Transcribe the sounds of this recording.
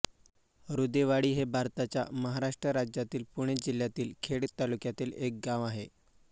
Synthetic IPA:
ɾud̪eʋaɽiːɦebʱaɾt̪at͡ɕja̰məɦaɾaʂʈɾəɾad͡ʑjat̪iːlpuɽ̃ed͡ʑil̤ːjat̪iːlkʰeɽt̪alukjat̪iːlek̚ɡãʋaɦe

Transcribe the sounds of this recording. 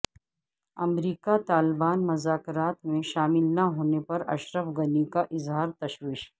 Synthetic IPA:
ɐmɾiːkat̪aːlbaːnmɐzaːkɾaːt̪mẽʃaːmɪlnaɦoːnepɐɾɐ̰ʃɾəfɡɐnikaʔɪzɦaːɾt̪ɐʃwiːʃ

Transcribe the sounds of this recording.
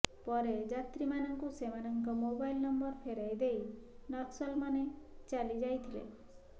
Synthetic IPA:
pɔɾed͡ʒat̪ɾimanɔŋkusemanɔŋkɔmobajlnɔmbɔɾpʰeɾajd̪ejnɔt̪sɔlmanet͡ʃalid͡ʒajt̪ʰilḛ

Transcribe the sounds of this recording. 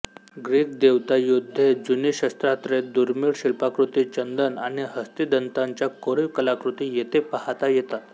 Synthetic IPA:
ɡɾiːk̚d̪eʋt̪ajud̪ʱːed͡zuniɕəst̪ɾat̪ɾed̪uɾmiːɭɕiɭpakɾut̪it͡ɕənd̪ənaɽ̃iɦəst̪id̪ənt̪aɲt͡ɕjakoɽiʋkəlakɾut̪ijet̪epahat̪ajet̪at̪

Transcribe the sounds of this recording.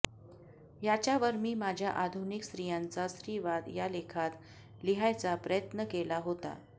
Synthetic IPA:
jat͡ɕjaʋəɾmiːmad͡ʑʱjaʔad̪ʱuniksɾijãnt͡sasɾiʋad̪jalekʰat̪ | liɦajt͡sapɾəjət̪nəkelaɦot̪a̰

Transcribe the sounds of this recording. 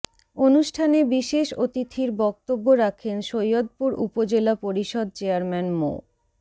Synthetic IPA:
onuʃʈʰanebiʃeʃot̪it̪ʰiɾbɔk̚t̪obːoɾakʰenʃojod̪̚puɾṵpod͡ʑelapoɾiʃɔd̪̚t͡ɕeaɾmɛnmo̰

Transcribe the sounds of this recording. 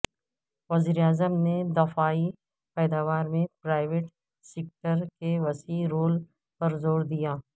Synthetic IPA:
ʋɐziːɾeaːzəmned̪ɐfaːi | pɛːd̪aːʋaːɾmẽpɾaːɪʋeːʈ | seːk̚ʈəɾkeʋɐsiɾoːl | pɐɾzoːɾd̪ijaː

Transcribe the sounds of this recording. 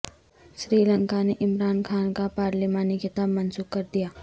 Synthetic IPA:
ʃɾiːlə̃ŋkaneʔɪmɾaːnkʰaːnkapaːɾlimaːnikɪt̪aːbmɐnsuːkkɐɾd̪ijaː

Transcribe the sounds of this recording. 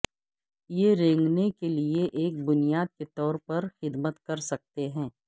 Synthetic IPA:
jeɾẽːŋɡnekelieʔeːk̚bʊnijaːd̪̚ket̪ɔːɾpɐɾxɪd̪mət̪kɐɾsɐk̚t̪eɦɛ̃ː

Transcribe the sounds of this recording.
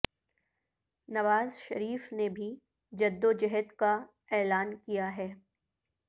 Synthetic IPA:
nɐʋaːzʃɐɾiːfnebʱi | d͡ʒɐd̪ːod͡ʒɛɦət̪ka | ɛːlaːnkijaɦɛː

